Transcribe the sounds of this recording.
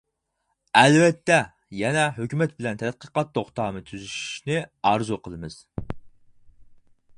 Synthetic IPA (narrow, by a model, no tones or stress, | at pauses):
ɛlvɛt̪ːɛ | jɛnɛɦøkʲymɛt̪̚bɪlɛnt̪ʰɛt̪̚qəqɑt̪ːoχt̪ɑːnɨt̪ʰyzyʃi̥ʃnɪɑɾzuqʰəlˠɨmɨz̥